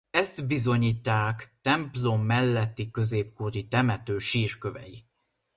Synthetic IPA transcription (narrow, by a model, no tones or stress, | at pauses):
ɛst̪bizo̞ɲiːt̪ːaːkt̪ɛmplo̞mːɛlːɛt̪ːikø̞zeːp̚kuːɾit̪ɛmɛt̪øːʃiːrkøvɛ̰ji